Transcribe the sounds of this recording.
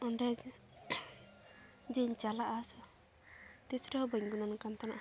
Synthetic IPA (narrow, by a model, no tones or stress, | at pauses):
ɔɳɖɛ | d͡ʒɛɲt͡ʃalaʔasɔ | t̪isʈɛhɔbəɲɡunɔnkant̪anaʔ